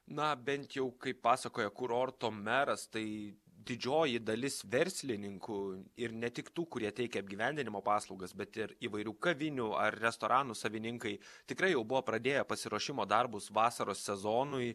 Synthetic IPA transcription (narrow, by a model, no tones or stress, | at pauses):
nɐbʲɛnt̪jɛʊkɐɪpːɑːsɐkoːjɛkʊɾoːɾt̪oːmʲɛɾɐst̪ɐɪ | d̪ʲɪd͡ʒʲoːjɪd̪ɐlʲɪsʋʲɛɾʲsʲlʲɪnʲɪŋkʊɪɾnʲɛt̪ʲɪkt̪uːkʊɾʲiɛt̪ʲɛɪkʲɛɐb̚ʲɡʲiːʋʲæˑnʲd̪ʲɪnʲɪmoːpɑːslˠɐʊɡɐsbʲɛt̪ɪɾiːʋɐɪɾʲuːkɐʋʲɪnʲʊɐ̰rɾʲɛst̪oːɾʔɑːnʊsɐʋʲɪnʲɪŋkɐɪ | t̪ʲɪkɾɐɪjɛʊbʊʋoːpɾɐd̪ʲeːjɛpɐsʲɪɾuɔʃʲɪmoːd̪ɐrbʊsʋɑːsɐɾoːsʲɛzoːnʊɪ